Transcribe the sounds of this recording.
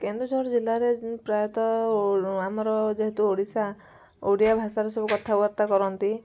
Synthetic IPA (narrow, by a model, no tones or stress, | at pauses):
kend̪ɾud͡ʒʱɔɾɔd͡ʒilːaɾepɾajɔt̪ɔ | amɔɾɔd͡ʒeɦet̪uoɽisa | oɽijabʱasaɾesɔbukɔt̪ʰauaɾt̪akɔɾɔnt̪i